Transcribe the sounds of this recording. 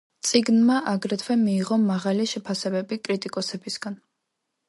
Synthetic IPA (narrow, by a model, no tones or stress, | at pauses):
t̪sʼiɡnmaʔaɡɾɛt̪ʰwɛmiːʁɔmaʁaliʃɛpʰasɛbɛbikʼɾit̪ʼikʼɔsɛbisɡ̥an